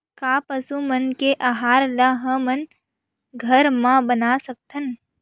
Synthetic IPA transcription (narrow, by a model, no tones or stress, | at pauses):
kaːpəsumənkeʔaɦaːɾlaɦə̃mən | ɡʱəɾmãbənaːsɐk̚t̪ʰən